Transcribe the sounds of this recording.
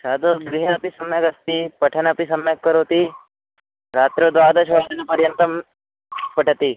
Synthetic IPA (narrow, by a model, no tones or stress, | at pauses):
saːd̪oɡɾiɦeɐpisɐmjəkɐst̪ipɐʈʰənapisɐmjəkːəɾoːt̪i | ɾaːt̪ɾod̪ʋaːd̪ɐʃʋaːd̪inepɐɾjənt̪əm | pɐʈʰət̪iː